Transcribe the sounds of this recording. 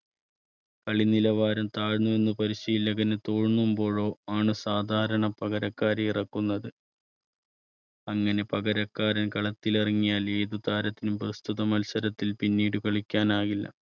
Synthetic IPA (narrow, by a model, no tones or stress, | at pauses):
kɐɭinilɐʋaːɾɐmt̪aːɻnːue̞nːupɐɾiɕijilːɐɣɐnet̪o̞ːɻnːumbo̞ːɻo̞ːaːɳɨsaːd̪ʱaːɾɐɳɐpɐɣɐɾɐkːaːɾiirɐkːunːɐðɨ | ɐŋːɐne̞pɐɡɐɾɐkːaːɾɐnkɐɭɐt̪ːileriŋːijaːle̞ːðud̪aːɾɐt̪ːinumprɐst̪uðɐmɐlsɐɾɐt̪ːilpinːiːɽɨkɐɭikʲːaːnaːɣilːɐ̰